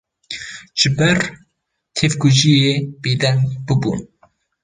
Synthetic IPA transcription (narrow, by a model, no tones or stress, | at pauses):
ʒ̥ɨbɛɾ | t̪ʰevkuʒijeːbeːd̪ɛŋbɨbṵːn